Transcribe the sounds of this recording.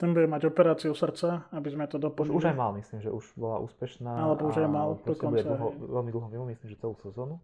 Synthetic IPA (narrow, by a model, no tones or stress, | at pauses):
t̪ɛnbuɟɛmaɟɔpɛɾaːt͡siusr̩t͡saabizmɛt̪ɔd̪ɔpɔuʒajmalmisliːmʒɛ̰ʔuʒ̥bɔla̰ʔṵːspɛʃnaːalɛbɔuʒajmald̪ɔkɔnbut͡sɛaɦɔʋɛlmid̪l̩ˠɦɔmimumisliːmʒɛt͡sɛluːsɛzɔːnu